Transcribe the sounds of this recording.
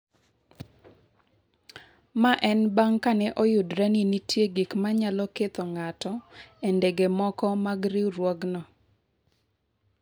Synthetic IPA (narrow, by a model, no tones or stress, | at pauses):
maʔɛnbaŋkanɛʔɔjʊdɾɛninitʰjeɡikmaɲalɔket̪ɔŋatɔendeɡemɔkɔmaɡɾiɾwɔɡnɔ